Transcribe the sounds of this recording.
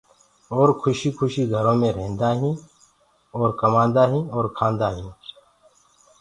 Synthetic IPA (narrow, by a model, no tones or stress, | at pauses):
ɔːɾkʰʊʃikʰʊʃiɡʱɐɾõːmẽɾeɦnd̪aːɦĩː | ɔːɾkɐmãːnd̪aːɦĩːɔːɾkʰãːnd̪aːɦĩː